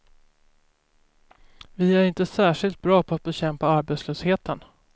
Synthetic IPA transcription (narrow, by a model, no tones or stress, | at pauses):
vɪæɾɪnt̪əsæːʂɪlt̪̚bɾɑːpʰɔat̪̚bɛɕɛmpaaɾbeːt̪sløːsheːt̪ən